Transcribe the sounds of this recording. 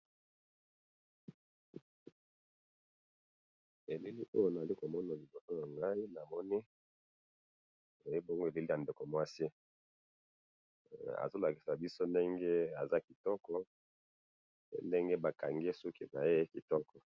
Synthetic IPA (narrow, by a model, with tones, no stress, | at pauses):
e˨li˦li˦ʔo̰˦jo˦n˨a˨li˦ko˨mɔ˦na˨li˨bo˨to˦na˨ŋɡa˦i˦na˨mɔ˦ni˦˨ | je˦bo˦ŋɡe˨li˦li˦ja˨nde˨ko˨mwa˦si˦ | a̰˨zo˦la˨ki˨sa˨bi˦so˦nde˦ŋɡe˦a˨za˦ki˨tɔ˦kɔ˦ | ḛ˦nde˦ŋɡe˦ba˨ka˨ŋɡe˦su˦ki˨na˨je˦ki˨tɔ˦kɔ˨